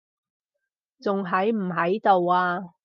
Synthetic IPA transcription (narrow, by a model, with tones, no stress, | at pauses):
t͡sʊ˨ŋɦɐ˨˥jm̩˨˩ɦɐ˨˥jt̪o˨waː˧